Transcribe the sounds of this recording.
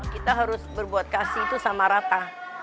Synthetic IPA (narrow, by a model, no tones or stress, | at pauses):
kit̪aɦaɾʊsbərbuat̪̚kasit̪usamaɾat̪a